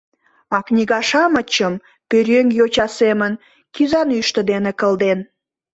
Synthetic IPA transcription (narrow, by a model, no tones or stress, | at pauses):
ɑknʲiɣɑʃɑmət͡ɕəm | pøɾʲøŋjot͡ɕɑsemən | kyzɑnyʃt̪ə̆d̪enekəld̪en